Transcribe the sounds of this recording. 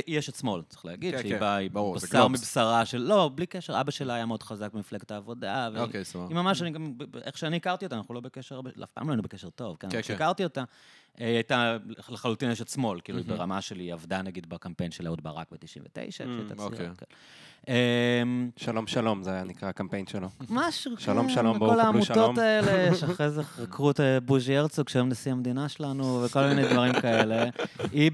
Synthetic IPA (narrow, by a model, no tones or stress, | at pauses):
ijeʃetsmo̞lt͡se̥χleːɡidʃeibaibubasaaʁmibsaʁaʃelːo̞blikeʃeʁabaʃelaːjameod̥̪χazak̚bemifleɡetaːvo̞daveokesimamaʃaniɡambeχʃeaniikaʁt̪iot̪anaχnulo̞bekeʃeʁbela̰fpa̰ːmloainubekeʃeʁt̪o̞vkenʃikaʁt̪io̞t̪a | ʔeiajt̪aleχalut̪ineʃelsmo̞lkiːluibeʁamaʃeliavd̪anaɡid̪bakampejnʃelaud̪̚baʁa̰k̚bet̪iʃḭmvet̪ḛjʃa̰ʃta̰okkḛn | emʃalomʃalomzeajanikʁaakampejnʃelomaʃʁʃalomalokolaaːmutoaeleʃeχʁezeʁakʁutbuʒieʁt͡sokʃeemnasihamed̪inaʃelanuveko̞lminejd̪vaʁimkaelei